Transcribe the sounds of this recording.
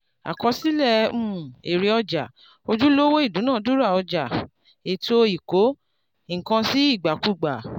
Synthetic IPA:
a̰˨kɔ˧si˦lɛ˦˧ũ˦˨e˨ɾi˨˧ɔ˧d͡ʒa˨ | o˧d͡ʒu˦lo˦wo˦i˦˨dũ˨˦nãː˦˨du˦ɾa˦˨ɔ˧d͡ʒa˨ | e˨to˦i˨ko˨˦˨ | kã˧si˦i˦˨ɡ͡ba˨ku˦˨ɡ͡ba˨

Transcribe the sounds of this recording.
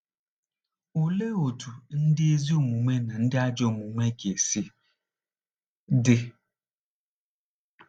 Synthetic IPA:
o˨le˦o˨tu˨n̩˦dɪ˦e˦zi˦o˨mu˨me˦na˨n̩˦dɪ˦a˦d͡ʒɔ˦˨mu˨me˦ke˨si˦ | dɪ˦

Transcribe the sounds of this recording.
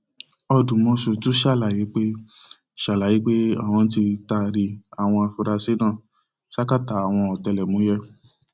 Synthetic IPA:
ɔ˧dũ˨mɔ̃˧so˨tu˦ʃa˦˨la˨ji˨˦k͡pe˦ | ʃa˨la˨ji˨˦k͡pe˦a̰˦˨w̃ɔ̃˧n˦ti˧ta˧ɾi˧a˨w̃ɔ̃˧a˧fu˧ɾa˧se˦nãː˦˨ | ʃa˦ka˦˨ta˨˦a˨w̃ɔ̃˧ɔ˨tɛ˧lɛ˨mũ˨˦jɛ˧

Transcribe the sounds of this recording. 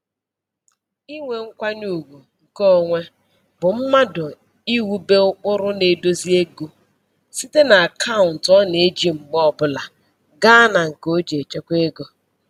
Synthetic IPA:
i˦ŋʷe˨ŋ̩˦kʷa˦nu˦˨ɡu˨ŋ̩˨kɔ˦ŋʷe˦ | bʊ˨m̩˦ma˦dʊ˨ | i˦wu˦be˦ʊ˦k͡pʊ˦ɾʊ˦ne˨do˦zi˦e˦ɡo˦ | si˦te˦na˨a˨kʰa˦ʊ˨n̩˨tɔ˦ne˨˦d͡ʒi˨ŋ͡m̩˨ɡ͡bɔ˦˨bʊ˦la˨ | ɡa˦na˨ŋ̩˨ko˦d͡ʒe˨t͡ʃe˦kʷe˦ɡo˦

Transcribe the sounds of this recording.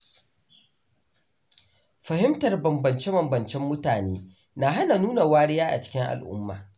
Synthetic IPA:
ɸɐ˨hɪ˦mtɐ˨rbɐ˨mbɐ˨nt͡ʃe˦bɐ˨mbɐ˨nt͡ʃɛ˦mːʊ˦taː˨neː˦ | na˨ɦa˦na˨nuː˦na˨waː˦ɾɪ˦jaː˦ʔa̰˨t͡ʃɪ̥˦kʲɪ˦ŋʔa̰˨lʔʊ̰˦mːa̰ː˨

